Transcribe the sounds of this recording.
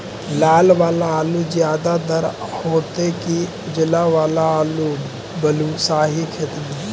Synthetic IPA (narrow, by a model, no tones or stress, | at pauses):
laːlʋaːlaaːluzjaːd̪ad̪əɾ | hoːt̪eki | ʊd͡ʒlaʋaːlaːlu | bəluːsaːɦikʰet̪m